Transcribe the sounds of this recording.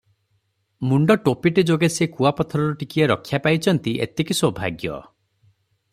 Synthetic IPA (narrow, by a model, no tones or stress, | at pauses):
muɳɖɔʈopiʈed͡ʒoɡesekuapɔt̪ʰɔɾɔɾɔʈikieɾɔkʰːjapajt͡ʃʰɔnt̪iʔḛt̪ekisɔbʱa̰ɡjɔ̰